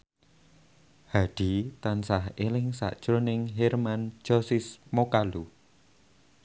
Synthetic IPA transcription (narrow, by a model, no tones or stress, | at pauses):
haɖ̪̥i̤t̪ansahelɪŋsa̰ʔd̥ʒ̥ɾonɪŋɦɛrman̥d͡ʒ̥ɔsɪsmokalu